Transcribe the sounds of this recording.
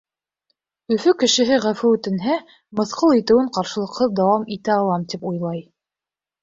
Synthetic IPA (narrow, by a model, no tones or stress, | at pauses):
ɵ̆fɵkɘ̆ʃɘ̆ɦɘʁæfɘʉ̆t̪ɘ̆nɦæ | mɤ̆θqɤlˠit̪ɘ̆wɘɴqɑɾʃɤ̆lˠɤ̆qhɤðd̪ɑwɑmit̪æɑlˠɑmt̪ipujlˠɑj